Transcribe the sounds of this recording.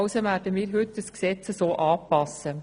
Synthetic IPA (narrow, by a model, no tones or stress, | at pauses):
ʊsəmærdəmiːɾɦʏt̚dəsksɛt͡səsoːʔɑːpɑsə